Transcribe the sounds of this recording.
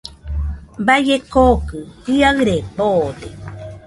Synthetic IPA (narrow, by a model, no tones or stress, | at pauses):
bajekokɨpiaɯɾepod̪e